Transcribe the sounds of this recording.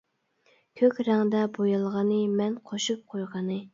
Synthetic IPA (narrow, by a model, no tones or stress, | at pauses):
kʲʰøkʲɾæŋd̪ɛbojɑlˠʁɑnɨmɛnqʰoʃup̚qʰojʁɑnɨ